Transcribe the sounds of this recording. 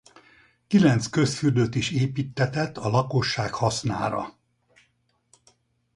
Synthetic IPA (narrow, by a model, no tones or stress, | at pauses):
kilɛnt̪skø̞sfyrd̪øt̪iʃeːpiːt̪ːɛt̪ɛt̪ːɒlɒko̞ʃːaːkhɒsna̰ːɾɒ̰